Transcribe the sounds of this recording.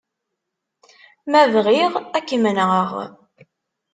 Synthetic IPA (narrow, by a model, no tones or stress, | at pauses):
mævʁiʁækːəmnəʁəʁ